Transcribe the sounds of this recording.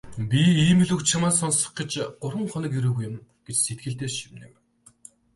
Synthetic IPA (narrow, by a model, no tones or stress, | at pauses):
pʲiiːmɘ̆ɮɵkt͡ɕt͡ɕʰamaːsɔnsɞ̥̆χɡet͡ɕɢ̥ʊɾwə̆ŋχɔnɞ̆kjiɾuːɣujʊ̆mɡ̥et͡ɕset̪̚ɡɘ̆ɬt̪eːrʃimnḛ̆m